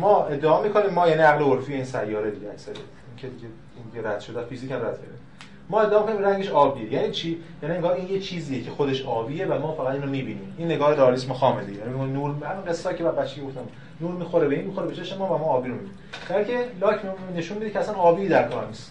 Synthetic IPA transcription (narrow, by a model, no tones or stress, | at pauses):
mɒːe̞d̪ːeɒːmiːkʰo̞niːmːɒːjæniæɣleoɾfijeiːnsæjːɒːɾed̪iɟeæcsæɾe | iŋcʰed̪iɟe | ineɾæd̪̥ʃod̪eæfizicʰæmræd̪cʰeɾe | mɒːe̞d̪ːeːmkonimɾæŋɟe̞ʃɒːbiejæniːt͡ʃʰiːjæːnieŋɡɒːɾiːnjet͡ʃʰiːzijecʰe̞xod̪eʃɒːbiːjevæmɒːfæɣæd̪inomiːbiːniːminːe̞ɡɒːheɾeɒlismoxɒːmed̪ḭjæːnimekoninuːɾhælinɡesːɒcʰebæɾbæt̪t͡ʃːe̥cʰeoft̪æm | nuːɾmiːxo̞ɾebeiːnmixoɾebet͡ʃʰe̞ʃmemɒːvæmɒːbiːɾomibini | ææɾcʰelɒːcʰmne̞ʃunbid̪icʰeæsænɒːbid̪æɾkʰɒːɾnist̪